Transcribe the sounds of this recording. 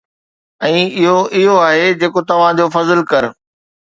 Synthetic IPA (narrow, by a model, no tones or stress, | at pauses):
ɛ̃ːɪɦoɪɦoaːɦed͡ʑeːkot̪ɐʋ̤ãd͡ʑoːfɐzɪlkɐɾ